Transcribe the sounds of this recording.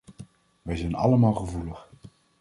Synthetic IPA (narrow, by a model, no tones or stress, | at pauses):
ʋɛjzɛjnɑ̰ləmaːlˠχəvuləχ